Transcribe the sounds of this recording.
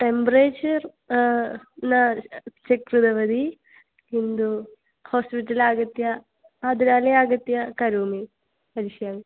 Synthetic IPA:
ʈempɐɾeːt͡ʃɐr | nɐʃɐkɾud̪ɐʋɐd̪i | kind̪u | hoːspiʈːɐlaːɡɐt̪jɐ | aːd̪uɾaːlɐaːɡɐt̪jɐkɐɾuːmi | pɐɾiʃjaːʋi

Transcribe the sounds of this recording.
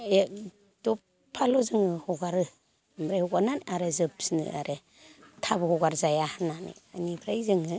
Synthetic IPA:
e | d̥ɔp | pʰːalɔzɯŋɯhɔɡaɾɯ | mbɾajhɔɡananaɾezɯp̚snɯ̰a̰ɾe | tʰabɯhɔɡaɾzajahananḛanibʰɾajzɯŋɯ

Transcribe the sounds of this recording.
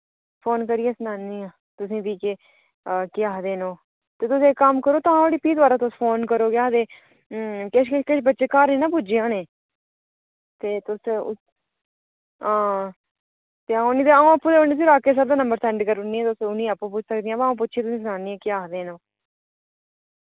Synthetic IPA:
pʰoːnkəɾiẽːsənaːniːãː | t̪ʊsĩːbiːke | əkɪaːɦd̪eːnõː | t̪eːt̪ʊsẽːkəmkəɾoːt̪ʊãɽiːpiːt̪ʋaːɾãːt̪ʊspʰoːnkəɾoːkɪaːd̪eː | kɪʃkɪʃkɪʃbətːʃeːkaːɾniːnãːp̬ʊd͡ʒɪjãːneː | t̪eːt̪ʊs | ãː | t̪eːaːoniːt̪eːaːũːəpːũːd̪eoniːs̬iɾaːkeːs̬əɾd̪aːnəmbəɾt̪ʰɛ̃ːɳɖkəɾʊniːɛ̃ːt̪ʊsʊnĩːapːũːp̬ʊd͡ʒsəkd̪ɪjãːbːõːp̬ʊt͡ʃːʃʰiːt̪ʊsĩːs̬ənaːniːãːkɪaːɦd̪eːnõː

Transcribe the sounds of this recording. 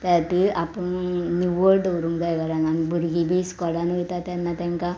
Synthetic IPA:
t̪at̪iapəɳnuʋəɾd̪əwɾuŋɡd͡z̪ajɡaɾananibʱuɾɡibiskɔlanɔjt̪at̪janːat̪ãŋka

